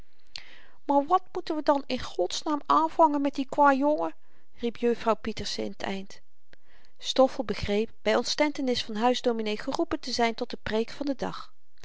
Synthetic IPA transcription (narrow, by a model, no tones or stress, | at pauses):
maːɹʋɑtmutənʋədɑnɪnχɔtsnaːmaːnv̥ɑŋənmɛt̚dikʋaːjɔlˠə | ripjøfrɑwpitəɹsɪ̰nətʰɛ̰jnt | stɔfəlˠbəχrejp̚b̥ɛjɔntstɛntənɪsfɑnɦœɥzdowminejχərupəntəzɛjntɔt̚dəprejkfɑndədɑ̰χ